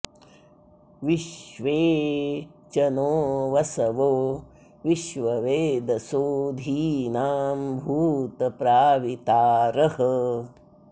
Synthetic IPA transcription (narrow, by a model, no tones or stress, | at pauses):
ʋiʃʋeː | t͡ʃɐnoːʋɐsɐʋoː | ʋiʃʋɐʋeːd̪ɐsoːd̪ʱiːnaːmbʱuːt̪ɐpɾaːʋit̪aːɾɐhə